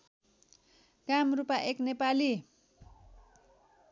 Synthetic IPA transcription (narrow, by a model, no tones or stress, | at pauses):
kamrupaʔeknepali